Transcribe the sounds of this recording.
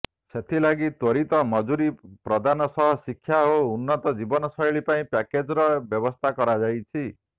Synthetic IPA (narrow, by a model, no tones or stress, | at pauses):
set̪ʰilaɡit̪ɔɾit̪ɔmɔd͡ʒuɾipɾɔd̪ʱanɔsɔɦɔsikʰːjaɦounːɔt̪ɔd͡ʒibɔnɔsɔɦeɭipaĩpaked͡ʒɾɔbjɔbɔst̪ʰakɔɾad͡ʒajt͡ʃʰi